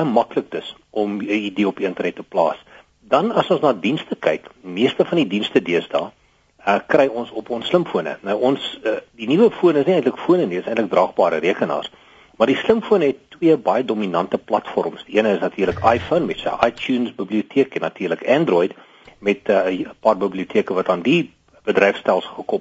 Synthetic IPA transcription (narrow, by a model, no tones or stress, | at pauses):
əmɐklək̚dəs | ʔɔməidiəɔpiəntərnɛtːəplɑ̰ːs | dɐnɐsɔ̃nsnɑːdinstəkɛjkmiərstəfɐndidinstədiəsdɑː | əkrɛjɔnsɔpɔnsːləmfuənə̰nɐwɔnsdinivəfuənəsniɛjntləkfuənənidəsəjntlək̚drɑːχbɑːɾəɾiəkənɑ̰ːrs | mɐrdisləmfuənəɦɛtːwiəbɐjədominɐntəplɐtfɔ̰rmsd̥iʔiənəəsnɐtʰiːrləkʰɐjfənmɛtsə̰ʔɑjtjuːnsbibliutʰiəkɛnɐtiːrləkɛndrɔjd | mɛtəpɑːrbibliutʰiəkəvɐtɑːndi | b̥ədɾɛjfstɛlˠsχəkɔp